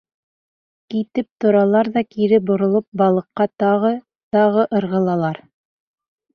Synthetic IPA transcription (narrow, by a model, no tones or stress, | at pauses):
kit̪ɘp̚t̪ŏɾɑlˠɑɾðɑkiɾɘbŏɾŏlˠop̚bɑlˠɤ̆qːɑt̪ɑʁɤ | t̪ɑʁɤʔɤ̆ɾʁɤ̆lˠɑlˠɑɾ